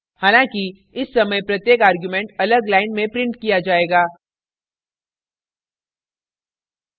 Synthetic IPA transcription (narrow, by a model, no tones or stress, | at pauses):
haːlãːki | ɪsːɐməjpɾɐt̪jeːkaːɾɡjumɛ̃ɳʈɐləɡlaːɪnmẽpɾɪ̃ɳʈkijad͡ʒaːeːɡaː